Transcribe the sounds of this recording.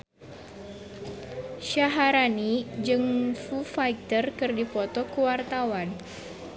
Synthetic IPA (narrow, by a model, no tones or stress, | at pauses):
ʃaɦaɾanid͡ʒɨŋfufajt̪ərkɨrdifɔt̪ɔkəwart̪awan